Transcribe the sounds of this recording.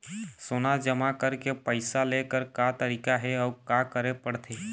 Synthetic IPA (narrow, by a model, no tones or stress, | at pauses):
soːnad͡ʒəmakəɾkepəɪsalekəɾkat̪əɾiːkaɦɛɔːkakəɾepəɽt̪ʰeː